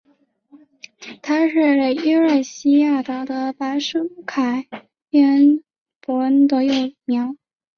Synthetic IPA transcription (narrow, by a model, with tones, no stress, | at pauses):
t̪ʰa˥ʂɻ̩˥˩le˨˩ɪi˥ə˥˩ɕi˥ja˥˩t̪ɑ˧˥d̪ə˧pa˧˥ɪʂu˥kʰa˨˩ɪ | ɛ˥n | pɔ˧˥nt̪ɤ˧˥jo˥˩ʊmjɑ˧˥ʊ